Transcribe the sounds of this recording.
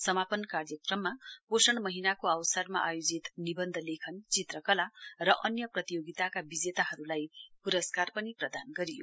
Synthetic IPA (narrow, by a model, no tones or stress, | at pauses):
sʌmapʌnkarjʌkrʌmːaposʌɽ̃mʌɦinakoawsʌrma̰ʔajod͡zit̪nibʌnd̪ʱʌlekʰʌnt͡sit̪rʌkʌlarʌʔʌnjʌprʌt̪ijoɡit̪akabid͡zet̪aɦʌɾulajpuɾʌskarpʌniprʌd̪anɡʌɾijo̰